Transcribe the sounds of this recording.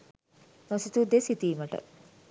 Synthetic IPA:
mosit̪ud̪esit̪iːməʈə̰

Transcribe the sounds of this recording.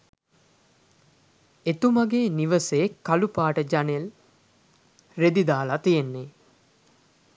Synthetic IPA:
et̪umaɡeːniʋəsekalupaːʈəd͡ʒanel | red̪id̪aːlat̪ijenːe

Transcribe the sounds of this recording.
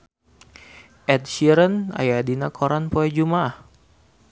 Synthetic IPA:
ʔɛt̪ʃiɾəna̰jadinakʰoɾanpoɛd͡ʒumah

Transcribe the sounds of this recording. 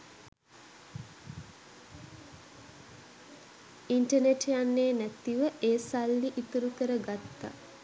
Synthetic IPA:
iɳʈəneʈejanːeːnæt̪iʋəʔeːsalːiʔit̪uɾukəɾəɡat̪ːa̰

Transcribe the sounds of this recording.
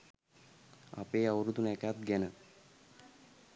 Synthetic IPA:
a̰peːawɾud̪unɛkaːt̪̚ɡɛnə

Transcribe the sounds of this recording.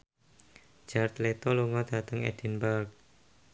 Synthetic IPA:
d͡ʒ̥art̪let̪ɔluŋɔd̪̥ä̤t̪əŋɛ̰d̥ɛnbərk̚

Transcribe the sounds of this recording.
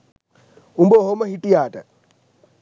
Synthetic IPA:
umbɔɦɔmahitʼiaːtʼa̰

